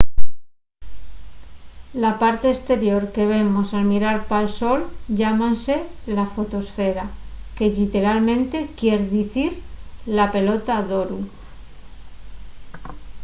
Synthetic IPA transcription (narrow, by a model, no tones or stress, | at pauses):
lapaɾt̪e̞ːst̪e̞ɾjo̞ɾke̞β̞e̞mo̞salmiɾaɾpalso̞lʝamanse̞lafo̞t̪o̞sfe̞ɾake̞ʎit̪e̞ɾalmẽnt̪e̞kje̞ɾðiθiɾlape̞lo̞t̪aðo̞ɾu